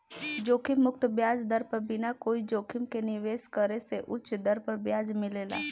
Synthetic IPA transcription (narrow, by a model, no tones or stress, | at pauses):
d͡ʒoːkʰɪmːʊkt̪bjaːd͡ʒd̪əɾpəɾbɪnakoːid͡ʒoːkʰɪmkenɪʋeːskəɾeseʔʊt͡ʃʰd̪ɐɾpəɾbjaːd͡ʒmɪleːla̰ː